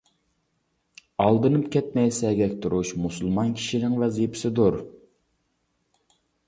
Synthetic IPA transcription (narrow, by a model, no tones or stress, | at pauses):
ɑlˠd̪ɨnɨpkʲʰɛt̪mɛjsɛɡʲɛkʲt̪ʰuɾuʃmusulˠmɑnkʲʰi̥ʃinɪŋvɛzipʰɪ̥sɪd̪uɾ